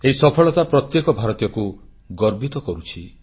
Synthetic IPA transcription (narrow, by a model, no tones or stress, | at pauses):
eɦisɔpʰɔɭɔt̪apɾɔt̪jekɔbʱaɾɔt̪jɔku | ɡɔɾbit̪ɔkɔɾut͡ʃʰi